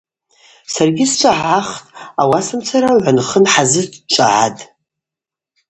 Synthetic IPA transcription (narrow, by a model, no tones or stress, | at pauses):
sarɡʲɪst͡ʃʷʼaʕaχtʼawasɨmt͡sʰaɾaʕʷanχənħazɨt͡ʃʷʼa̰ʕa̰tʼ